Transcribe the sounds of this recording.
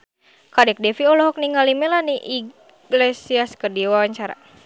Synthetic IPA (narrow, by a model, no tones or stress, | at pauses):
kadɛk̚dɛfiɔlɔɦɔk̚niŋalimɛlahniʔi | ɡlesiaskərdiwawaɲt͡ʃaɾa̰